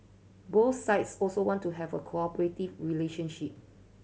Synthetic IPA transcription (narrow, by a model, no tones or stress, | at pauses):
boθsaɪtsɔlsowɔ̃ntuɦɛvəkʰoɔpəɹetivɹileʃə̃nʃip̚